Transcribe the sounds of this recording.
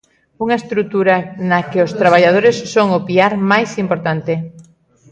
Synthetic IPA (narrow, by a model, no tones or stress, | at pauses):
uŋɐest̪ɾut̪uɾɐnɐkɪost̪ɾaβ̞aʎað̞oɾesːoŋopiaɾmajsimpoɾt̪ant̪e